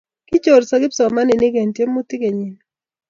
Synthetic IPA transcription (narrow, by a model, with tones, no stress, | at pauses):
kɪ˦t͡ʃo˨ɾsɔ˨ɡɪ˦psɔ˨ma˦nɪ˨nɪ˦ke˨ntje˦mo˦tɪ˦ke˨ɲi˨n